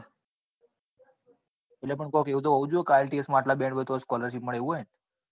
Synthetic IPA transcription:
elepəɳkokeut̪̬oəud͡ʒuekalʈiesmãːʈlabẽɳɖbʋət̪oskɔləɾʃipməɭeʋũɦojen

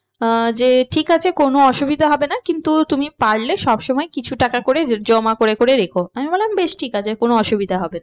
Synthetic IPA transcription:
d͡ʑeʈʰikat͡ɕʰekonoɔʃubid̪ʱaɦɔbenakint̪ut̪umipaɾleʃɔbʃɔmɔekit͡ɕʰuʈakakoɾed͡ʑɔmakoɾekoɾeɾekʰoamibɔllambeʃʈʰikat͡ɕʰekonoɔʃubid̪ʱaɦɔbena

